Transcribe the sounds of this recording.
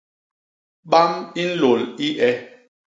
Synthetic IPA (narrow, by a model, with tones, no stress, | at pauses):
ɓa˦mi˦n̩˦lo˨li˦ʔɛ˦